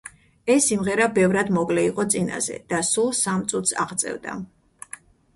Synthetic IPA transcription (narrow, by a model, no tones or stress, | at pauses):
ɛsːimʁɛɾabɛvɾad̪mɔɡlɛiqʼɔt̪sʼina̰z̥ɛ̰d̪̥asulˠsamt̪sʼut̪ʰsa̰ʁt̪sʼɛ̰vd̪a̰